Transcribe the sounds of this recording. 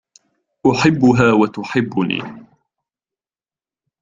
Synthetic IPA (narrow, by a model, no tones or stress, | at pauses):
ʔʊħɪbːʊɦaːwat̪ʊħɪbːʊnḭː